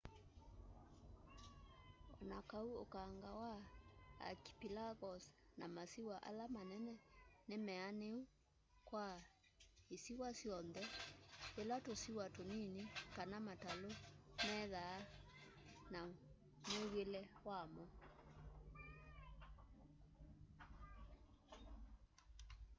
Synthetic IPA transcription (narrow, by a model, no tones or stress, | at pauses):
ɔ̰nakauo̰kaŋɡawaa̰ki̥pilaɣɔsnamasiwaʔa̰lamanɛnɛnemɛaneu | kwa | isiwasjɔnðɛelatosiwatoninikanamatalomɛðaː | na | mewelɛwamɔ